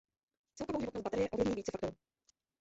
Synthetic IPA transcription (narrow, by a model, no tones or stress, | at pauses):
t͡sɛlkovowʒɪvot̪nobat̪ɛɾɪjɛʔovlɪvɲiːviːt͡sɛfakt̪ou